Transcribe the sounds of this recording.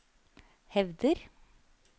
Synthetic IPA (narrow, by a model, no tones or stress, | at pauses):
hɛʋd̪əɾ